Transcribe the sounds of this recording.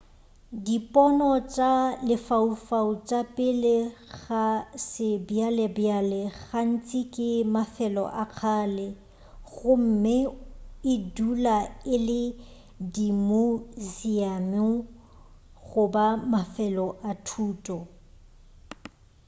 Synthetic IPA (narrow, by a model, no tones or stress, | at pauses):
dipʼɔnɔt͡ʃʼalɪfaufaut͡ʃʼapʼɪlɪɣasɪbjalɛbjalɛɣan̩t͡sʼikʼɪmafɛlɔ̰ʔak͡xʰaːlɛ | ɣʊm̩mɪɪdulaɪlɪ | dimʊziamɪ | ɣʊbamafɛlɔʔatʰuːtʼɔ